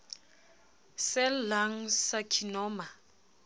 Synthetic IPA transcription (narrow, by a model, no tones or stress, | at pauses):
sɪlaŋ̩sakʰinɔːma